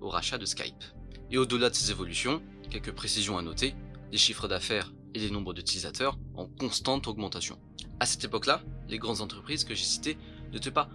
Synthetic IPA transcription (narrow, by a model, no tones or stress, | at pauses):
o̰ʁa̰ʃad̪əska̰jp | eod̪əlad̪əsezevɔlysjɔ̃ | kʲɛlkəpχesizjɔ̃anɔt̪e | d̪eʃifχəd̪afɛːʁ | ed̪enɔ̃bʁəd̪yt̪ilizat̪ʰœʁɑ̰̃kɔ̃st̪ɑ̃t̪ɔɡmɑ̃t̪asjɔ̰̃ | asɛ̥t̪epɔklalʔeɡʁɑ̃d̪zɑ̃t̪χəpχizkəʒesi̥t̪e | nət̪ɛpa